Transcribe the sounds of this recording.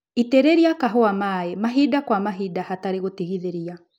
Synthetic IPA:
itɛɾɛɾiakaɦoamaɛmaɦidakwamaɦidahataɾeɣotiɣiðeɾia

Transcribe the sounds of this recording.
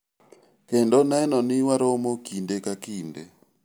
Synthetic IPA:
kɛndɔnaɛnɔniwaɾɔmɔkindɛkakiːndɛ

